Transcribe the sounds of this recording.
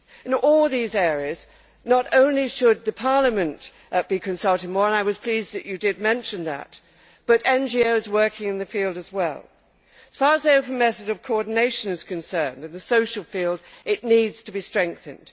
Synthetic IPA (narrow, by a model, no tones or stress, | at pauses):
ɨ̃nɔlˠðizɛɹiɨz | nəɾõʊ̃nliʃɨd̪̚ðɨpʰɑɹlˠəmɨ̃n | b̥ikʰɨ̃nsʌlˠtɨd̚mɔɹə̃naɪwʌz̥pʰl̥izðɨt͡ʃɨdɨd̚mɛ̃nʃɨ̃nðɨ̰t̚ | b̥ʌɾɛ̃nd͡ʒioʊzwɜ˞kʰɪ̃ŋɨ̃nðɨfilˠdɨzwɛ̰lˠ | ɨz̥fɑɹəzðəoʊpn̩mɛθɨɾʌv̥kʰəɔɹdⁿn̩eɪʃɨ̃nɨz̥kʰɨ̃nsɜ̃˞ndɨ̃nðɨsoʊʃl̩ˠfilˠdɨtⁿnidz̥tʰɨbistɹ̥ɛ̃ŋk̚θɨ̃nd̥